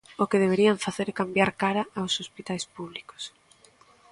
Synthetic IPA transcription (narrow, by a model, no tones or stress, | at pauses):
okeðeβ̞eɾiaɱfaθeɾkambjaɾkaɾaawsospit̪ajspuβliko̥s